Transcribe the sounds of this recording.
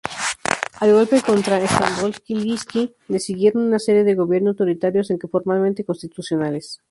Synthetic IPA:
alɣo̞lpe̞ko̞nt̪ɾaest̪ambolskiliski | lesiɣje̞ɾo̞nunase̞ɾje̞ðe̞ɣo̞βje̞ɾnot̪o̞ɾit̪aɾjo̞se̞ŋkefo̞ɾmalmẽnt̪e̞ko̞nst̪it̪usjo̞nale̞s

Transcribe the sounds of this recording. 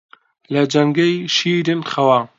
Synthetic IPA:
lɐd͡ʒɐŋɡejʃiːɾɨnxɐwaː

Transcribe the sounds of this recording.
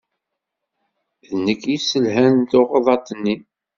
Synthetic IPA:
ðnːəkːisəlɦænt̪oʁəðˤɑt̪ˤːənːi

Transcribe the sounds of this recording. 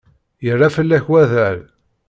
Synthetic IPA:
jərˤːafəlːæçwæðæɾ

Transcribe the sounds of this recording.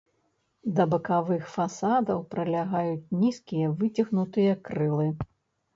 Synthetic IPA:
d̪ɐbɐkavɨxfasad̪ɐwpɾɐlʲaɣajut͡sʲnʲiskʲijɐvɨt͡sʲiɣnut̪ɨjɐkɾɨlˠɨ

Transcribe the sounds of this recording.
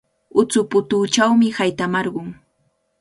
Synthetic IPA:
ʊt͡sʊpʊt̪uːt͡ʃawmɪhajt̪amɑɾɢʊŋ

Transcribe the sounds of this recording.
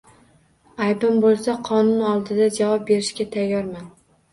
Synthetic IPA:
ajd̪ʊmbolˠsaqʰɒnʊnɒlˠd̪ɪd̪ad͡ʒavɒp̚be̞ɾɪʃkʲat̪ʰajːɒɾman

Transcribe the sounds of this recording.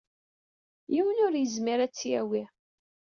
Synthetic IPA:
jiwənʊɾjəzmiɾæt͡sːjæwi

